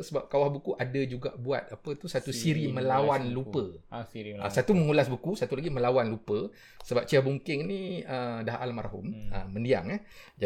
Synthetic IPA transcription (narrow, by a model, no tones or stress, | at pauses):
səbap̚kawahbukuʔadad͡ʒuɡa̰ʔbua̰t̪̚apət̪usat̪usiɾimə̃lawanlupə | ə̰sat̪umə̃ŋulasbukusat̪ulaɡimə̃lawanlupə | səbap̚t͡ʃiabuŋkɪŋniədaɦʔa̰lmarɦṵmə̰mə̃ndia̰ŋɛhd͡ʒa